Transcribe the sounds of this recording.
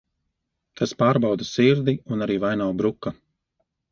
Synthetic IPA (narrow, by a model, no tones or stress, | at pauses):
t̪aspaːɾbawd̪asiɾd̪iunaɾiːvajnawbɾukːa